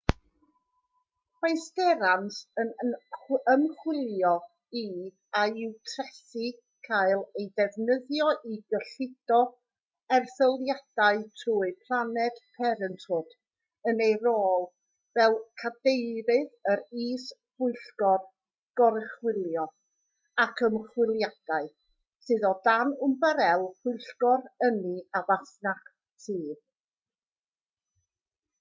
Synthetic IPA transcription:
pajstɛɾansən | əmχwɪlˠjɔ | i | aɪwtʰrɛsi | kʰajlˠejdɛvnəðjɔʔiɡəɬɪd̥ɔ | ɛrθəlˠjad̥aɨtʰruːɨpʰlˠanɛd̥pʰɛɾəntʰʊd̥ | ənejroːlˠ | vɛlˠkʰadejɾɨðəɾiːshʊɨɬɡɔr | ɡ̥ɔɾɪχwɪlˠjɔ | akʰəmχwɪlˠjad̥aɨ | sɨðɔdanʊmbəɾɛlˠpʊjɬɡɔɾəniavasnaχ | sʰiːð

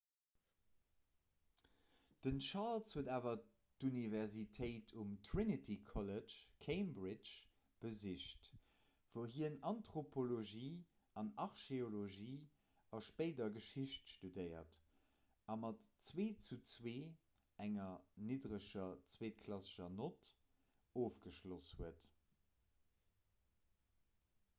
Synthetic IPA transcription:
d̥ənʃɑlshuədaːvɐ | tunivɛʁzitʰəɪtʰumtʰʁinitʰikʰɔlət͡ʃkʰeɪmbʁɪt͡ʃ | b̥əziʃt | v̥oʊɦiənɑntʁopʰoloʒiː | ɑnɑʁʃeoloʒiː | ɑʃpəɪdɐɡəʃiɕtʃtudəɪɐ̰t | ɑmɑtt͡sweːt͡sut͡sweː | æŋɐnidʁəʃɐt͡sweːt̚kʰlɑsə̥ʃɐnot | oːfɡ̥əʃloshuət

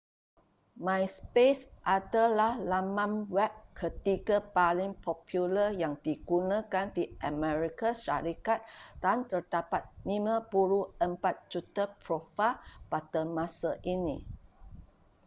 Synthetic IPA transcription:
mãjspesʔadalahlamãnwɛp̚kʰət̪iɡapalɪŋpʰɔpʰjuləjaŋdiɡunãkandiʔəmɛɾikaʃa̰ɾikat̪̚d̥ant̪ərdapat̪̚nĩmãbuɾuəmpat̪̚d͡ʒut̪apɾofapad̥əmãsaʔinḭ̃

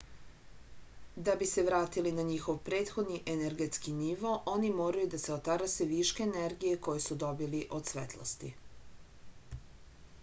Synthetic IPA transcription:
d̪abise̞ʋɾaːt̪ilinaɲixo̞ʋpɾe̞ːt̪xo̞d̪niʔeneɾɡe̞t̪skiniʋo̞ʔo̞nimo̞ːɾajud̪aseot̪aɾaseʋiʃkeːneɾɡije̞ko̞jesud̪o̞biliʔo̞d̪sʋet̪lˠo̰st̪ḭ

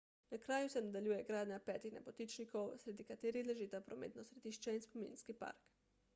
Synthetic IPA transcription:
nakɾaːjusɛnad̪alʲjuːjɛɡɾaːd̪ɲapɛːt̪ixnɛpot̪it͡ʃnikowsɾɛd̪ikat̪eːɾixlɛʒit̪apɾomḛːt̪nɔsɾɛd̪iːʃt͡ʃɛinspomḭ̃nskipa̰ɾk

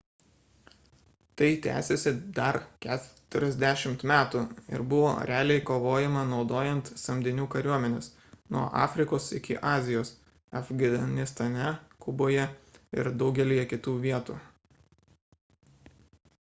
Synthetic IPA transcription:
t̪ɐɪt̪ʲæ̰ːsʲesʲɪd̪ɐɾkʲæːt̪ʊɾʲɛzʲd̪ʲæʃʲɪmt̪mʲæːt̪uɪ̰ɾbʊʋo̰ːɾʲæːlʲɛɪkoːʋoːjɛmɐnɒʊd̪oːjɛnt̪sɐmʲd̪ʲɪnʲuːkɐɾʲuɔmʲɛnʲeːs | nuɔʔɑ̰ːfʲɾʲɪkoːsɪ̰kʲɪʔɑːzʲɪjoːs | ɐfɡʲɐɐnʲɪst̪ɐnʲɛkʊboːjɛɪ̰ɾd̪ɒʊɡʲɛlʲiːjɛkʲɪt̪uːʋʲiɛt̪ṵː

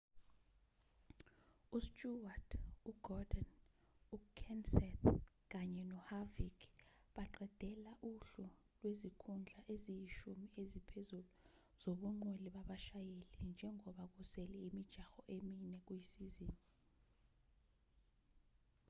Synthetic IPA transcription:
ustʼuwatʰuɡ̥ɔdɔn | ukʰɛnsɛtk̬aɲɛnɔhavik | ɓaǃɛd̥ʱɛlaʔuɬu | lwezikʰund͡ɮʱaʔezijiʃumiezipʰezulu | z̥oɓuŋ͡ǃweliɓaɓaʃajelind͡ʒʱɛŋɔɓak̬usɛlɛimid̥ʒ̥ʱaxɔʔeminɛk̬ujisiziːni

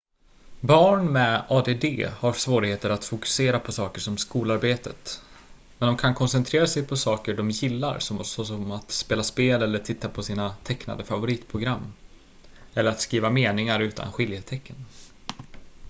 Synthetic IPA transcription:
bɑːɳmɛɑːd̪eːd̪ḛːhaɾsvoːɾɪɡheːt̪əɾat̪fʊkɵ̥seːɾapʰɔsɑːkəʂɔmskuːlaɾbeːt̪ət̪ | mɛnd̪ɔmkʰankʰɔnsɛnt̪ʰɾeːɾasɛjpʰɔsɑːkəɖɔmjɪlːa̰ɾsɔsɔsɔmat̪speːlaspeːlɛlːəʈʰɪt̪ːapʰɔsiːnat̪ʰɛkna̰d̪əfavʊɾiːt̪pʰɾʊɡɾamː | ɛlːəɾat̪skɾiːvameːnɪŋaɾʉ̟ːt̪ʰa̰nɧɪljət̪ʰɛkːən

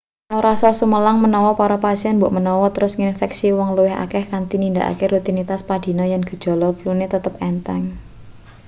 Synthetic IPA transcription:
nɔɾasalsuməlaŋmənɔwɔpaɾapasiɛnmbʊʔmənɔwɔt̪əɾʊsŋinfɛksiwɔŋluwɪɦa̰kɛhkant̪inind̪a̰ʔa̰keɾut̪init̪aspad̪̥i̤nɔjanɡ̥ə̤d̥ʒ̥ɔ̤lɔflunet̪ət̪əpɛnt̪ɛŋ

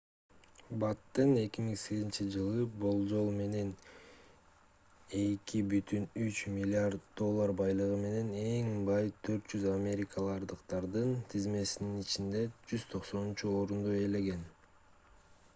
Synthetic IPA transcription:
bɑt̪ːɯne̞kʲimiŋse̞ɡizint͡ʃid͡ʒɯlˠɯbolˠd͡ʒo̞lˠme̞ne̞n | e̞kibyt̪ynyt͡ʃmʲilʲɪaɾd̪̚d̪o̞lˠːaɾbɑjlˠɯʁɯme̞ne̞ne̞ŋbɑjt̪ʰø̞ɾt̪d͡ʒyzamʲe̞ɾʲikalˠɑɾd̪ɯqt̪ɑɾd̪ɯnt̪ʰizme̞sininit͡ʃind̪e̞d͡ʒyz̥t̪ʰo̞qso̞nunt͡ʃuo̞ɾund̪oe̞le̞ɡe̞n

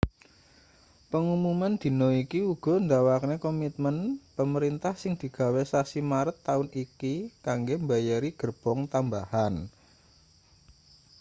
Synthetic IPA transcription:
pəŋumumand̪̥i̤nɔikiuɡ̥ɔ̤nd̪awaknekɔmit̪̚mənpəməɾint̪ahsɪŋd̪̥i̤ɡ̥a̤wesasimaɾət̪ːaʊnikikaŋɡembajaɾiɡ̥ərb̥ɔŋt̪ambahan

